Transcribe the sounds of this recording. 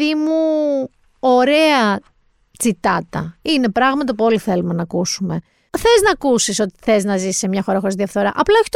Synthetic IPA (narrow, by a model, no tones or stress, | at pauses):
imu | o̞ɾe̞ɐ | t͡sit̪ɐt̪ɐ̰ine̞pɾɐɣmɐt̪ɐpuo̞liθe̞lume̞nɐkusume̞ | θe̞znɐkusiso̞t̪i̥θe̞znɐzissemɲɐxo̞ɾɐxo̞ɾizðiɐfθo̞ɾɐʔɐplɐoçi̥t̪